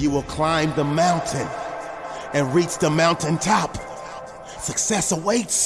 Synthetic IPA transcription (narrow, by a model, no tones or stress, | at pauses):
jɨwəlˠkʰl̥ãɪ̃mðəmãʊ̃ntʰɨ̃n | ɨ̃nɹit͡ʃðəmãʊ̃ntɨ̃ntʰɑp | sɨksɛsəweɪts